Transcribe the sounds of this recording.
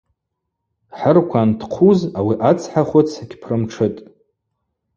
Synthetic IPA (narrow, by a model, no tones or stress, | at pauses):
ħərkʷʰantʰqʷʰuzawiʔat͡sʰħaχʷat͡sʰaɡʲpʰrɨmʈ͡ʂʰɨtʼ